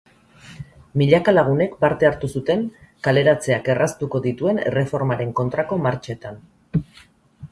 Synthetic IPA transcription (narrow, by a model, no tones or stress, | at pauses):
miʎakalaɣ̞une̞kpaɾt̪e̞aɾt̪usut̪e̞ŋkale̞ɾat͡se̞ake̞rʔast̪uko̞ðit̪ue̞nere̞fo̞ɾmaɾe̞ŋko̞nt̪ɾako̞maɾt͡ʃet̪an